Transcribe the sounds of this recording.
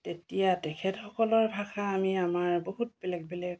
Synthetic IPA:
tetijatɛkʰɛtxɔkɔlɔɹbʱaxaːmiamaɹboɦut̚bɛlɛɡ̚bɛlɛk̚

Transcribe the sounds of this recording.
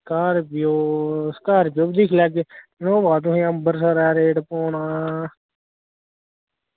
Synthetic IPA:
kaːɾpjoːskaːɾpjoːbd̪ɪkʰlɛːɡenõːbaːd̪̬ũɦẽːəmbəɾsaɾɛːɾeːɖpoːnaː

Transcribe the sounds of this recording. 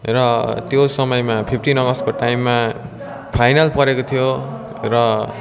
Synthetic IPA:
rʌt̪josʌmʌjmapʰipʰʈinʌɡʌskoʈajimːa | pʰajnalpʌɾekot̪ʰijo | rʌ

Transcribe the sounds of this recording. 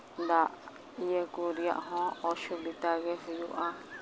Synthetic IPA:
nd̪a | iekuɾiã̰ʔɦõoʃuβit̪aɣeɦejṵʔã

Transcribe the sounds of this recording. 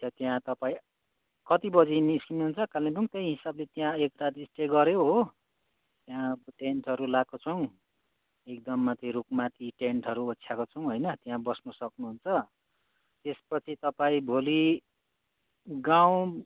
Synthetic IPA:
t̪ʌt̪jãt̪ʌpaĩ | kʌt̪ibʌd͡ziniskimnuɦunt͡sʰʌkalnibuŋt̪ʌjɦisablet̪jãekrad̪isʈeɡʌɾjoɦo | t̪jãbʈeɳʈɦʌɾulak̚kːot͡sʰʌw̃ | ek̚d̪ʌmːat̪ʰiɾukmat̪ʰiʈeɳʈɦʌɾuot̪ːsʰjakot͡sʰʌw̃ɦojnʌt̪jãbʌsnusʌknuɦunt͡sʰʌ | t̪espʌt͡sʰit̪ʌpaĩbʱoli | ɡaw̃

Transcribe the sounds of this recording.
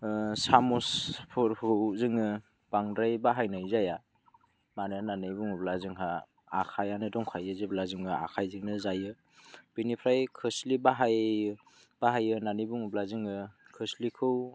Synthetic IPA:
samuspʰɔɾhɯwzɯŋɯ | b̥aŋdɾajbaɦajnɯjzaja | manɯnanɯjbuŋublazɯŋɦa | akʰajanɯdɔŋkʰajɯzɯblazɯŋɯa̰kʰajzɯŋnɯzajɯ | b̥inipʰɾajkʰɯslibaɦaj | b̥aɦajɯnanɯjbuŋublazɯŋɯkʰɯslikʰɯw

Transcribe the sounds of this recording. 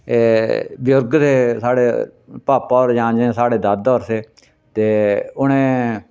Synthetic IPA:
eːbɪjʊɾɡseːsaːɽḛː | paːpaoːɾd͡ʒãːd͡ʒẽːsaːɽeːd̪ad̪ɔːɾseː | t̪eːʊnẽː

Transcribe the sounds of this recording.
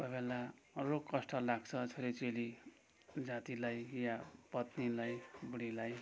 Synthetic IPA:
kʌbelarokkːʌsʈʌlaɡt͡sʰʌt͡sʰoɾet͡seli | d͡zat̪ilajjapʌt̪nilajbuɽilaj

